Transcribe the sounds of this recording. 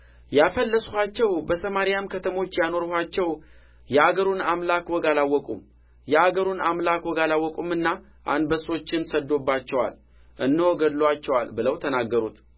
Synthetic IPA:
jafəlːəshʷat͡ʃːɛwbəsəmaɾijamkʰət̪ʰəmo̞t͡ʃːjano̞ɾhat͡ʃːɛw | jɛaɡəɾunamlakwɔɡalawːɔkʼṵm | jɛaɡəɾunamlakwɔɡalawːɔkʼumɨnːa | ʔa̰nd̪bəso̞t͡ʃːɪnsəd̪ːo̞bːat͡ʃːɛwa̰l | ʔɨnːɨhoɡəd̪lat͡ʃːɛwalbɨləwt̪ʰənaɡːəɾut̪

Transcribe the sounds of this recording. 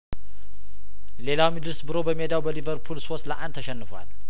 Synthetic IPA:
le̞lawmid̪ɨɾsbɨɾo̞bəmed̪awbəlivəɾpʰulsosləʔand̪t̪ʰəʃɛnːɨfwa̰l

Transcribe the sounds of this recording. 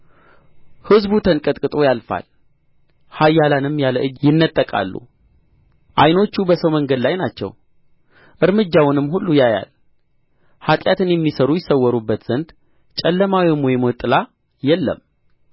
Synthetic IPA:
hɨzbut̪ʰənkʼət̪ʼkʼɨt̪ʼo̞jalfa̰l | hajːalanɨmːjaləʔɨd͡ʒjɪnːət̪ʼːəkʼa̰lːṵ | ʔajno̞t͡ʃːubəsəwməŋɡəd̪lajnat͡ʃːɛ̰w | ʔɨɾmɨd͡ʒːawʊnɨmhulːujaja̰l | hat̪ʼjat̪ɨnjɛmːisəɾujɛsəwːɔɾubːət̪z̥ənd̪ | t͡ʃʼɛlːəmawimwɔjmɔt̪ʼːɨla | jɛlːə̰m

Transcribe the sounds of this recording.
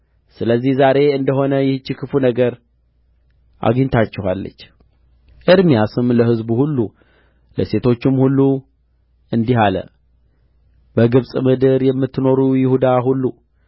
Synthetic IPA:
sɨləzːihzaɾe̞ɨnd̪əɦo̞nəjɪht͡ʃːɪkːɨfunəɡəɾ | ʔa̰ɡɨɲt̪ʰat͡ʃːɛha̰lːə̰t͡ʃː | ʔeɾmijasɨmləhɨzbuhulːu | ləse̞t̪ʰo̞t͡ʃːɪmhulːu | ɨnd̪iɦalə̰ | bəɡɨβsʼmɨd̪ɨɾjɛmːɨt̪ːɨno̞ɾujɪhud̪aɦulːu

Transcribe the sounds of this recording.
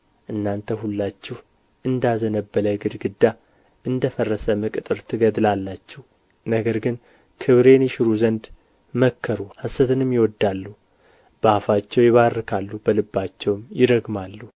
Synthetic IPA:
ʔɨnːant̪ʰəhulːat͡ʃːɛh | ʔɨnd̪azənəbːələɡɨd̪ɡɨd̪ːa | ʔɨnd̪əfərːəsəmɨkʼɨt̪ʼɨɾt̪ʰɨɡəd̪lalːat͡ʃːɛw | nəɡəɾɡɨn | kʰɨβɾe̞njɪʃɪɾuzənd̪ | məkʰːəɾuhasət̪ʰɨnɨmjɪwɔd̪ːalːu | b̥əafat͡ʃːɛwjɪβaɾːɨkʰalːub̥əlɨbːat͡ʃːɛwmjɪd̪əɡmalːu

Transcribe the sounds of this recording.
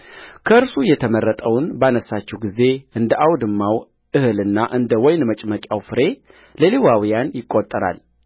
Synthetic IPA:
kʰəɨɾsujɛt̪ʰəmərːət̪ʼəwnbanəsːat͡ʃːɛwɡize̞ʔɨnd̪əʔawd̪ɨmːaw | ʔɨhɨlɨnːaʔɨnd̪əwɔjnmət͡ʃʼməkʼawfɨɾe̞ | ləliwawijanjɪkʼːo̞t̪ʼːəɾa̰l

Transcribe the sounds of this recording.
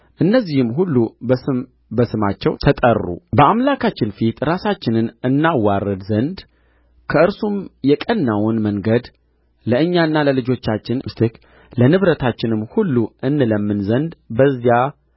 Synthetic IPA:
ʔɨnːəzːihɨmɦulːu | bəsɨma̰t͡ʃːɛwt̪ʰət̪ʼərːṵbəamlakʰat͡ʃːɪnfit̪ɾasat͡ʃːɪnɨnɨnːawːarːəd̪zənd̪ | kʰəɨɾsumjɛkʼənːawʊnməŋɡəd̪ | ləɨɲːaɨnːaləlɨd͡ʒo̞t͡ʃːat͡ʃːɪnst̪ʰek | lənɨβɾət̪ʰat͡ʃːɪnɨmːhulːuʔɨnːɨləmːɨnzənd̪bəzːja

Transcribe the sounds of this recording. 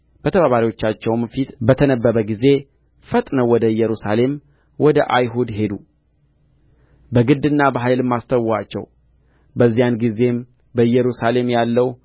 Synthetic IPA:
b̥ət̪ʰəβaβaɾiwo̞t͡ʃːat͡ʃːɛwmfit̪bət̪ʰənəbːəβəɡize̞ | fət̪ʼnəwːɔd̪əjːɛɾusa̰le̞m | wɔd̪əʔajɦud̪ɦe̞d̪u | bəɡɨd̪ːɨnːabəɦajlmːast̪ʰəwat͡ʃːɛ̰w | bəzːijanɡize̞m | bəɨjːɛɾusale̞mjalːəw

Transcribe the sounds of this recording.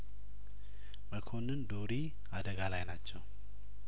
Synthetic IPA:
məkʰo̞nɨnd̪oɾi | ad̪əɡalajnat͡ʃːɛw

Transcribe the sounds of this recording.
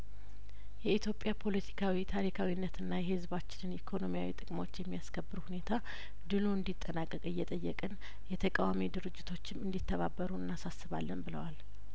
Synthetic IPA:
jɛit̪ʰjo̞pʼjapʰo̞lət̪ʰi̥kʰawit̪ʰaɾikʰawinːət̪ɨnːajɛhɨzβat͡ʃːɪnɨnikʰo̞no̞mijawit̪ʼɨkʼmo̞t͡ʃːjɛmːijaskʰəbːɨɾuhune̞t̪ʰa | d̪ɨluɨnd̪it̪ʼːənakʼːəkʼəjːɛt̪ʼəjːəkʼən | jɛt̪ʰəkʼawamid̪ɨɾɨd͡ʒːɪt̪ʰo̞t͡ʃːɪmɨnd̪it̪ʰːəβabːəɾuɨnːasasːɨβa̰lːənbɨlə̰wal

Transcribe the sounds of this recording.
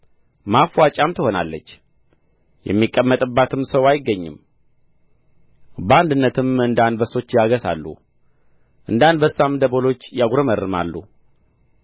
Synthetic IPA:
mafwat͡ʃʼamt̪ʰəho̞na̰lːət͡ʃː | jʔɛ̰mːikʼːəmːət̪ʼɨbːat̪ʰɨmsəwajɪɡːəɲːɪm | bəand̪ɨnːət̪ʰɨmɨnd̪and̪bəsːo̞t͡ʃːjaɡəsa̰lːṵ | ʔɨnd̪and̪bəsːamd̪əbolo̞t͡ʃːjaɡuɾəməɾɨma̰lːṵ

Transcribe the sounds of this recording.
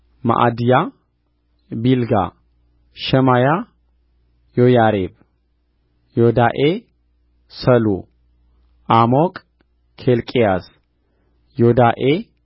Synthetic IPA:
ma̰ʔa̰d̪ija | bilɡa̰ | ʃɐmaja | jojaɾeb | jod̪aʔe | sɐlu | amokʼ | kʰːelkʼijas | jod̪aʔe

